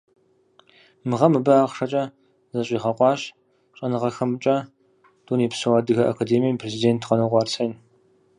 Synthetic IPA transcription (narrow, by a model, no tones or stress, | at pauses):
mɨʁɐmɨbɨaːχʂɐt͡ʃʼɐ | zɐɕʼiːʁɐqʷʼɑːɕ | ɕʼɐnɨʁɐxɐmt͡ʃʼɐ | d̥uːniːpsɨwaːdɨɣɐʔa̰kʰadeːmijɐmpʰrezideːntʰqɐnuʁʷɑːrt͡sʰɐjn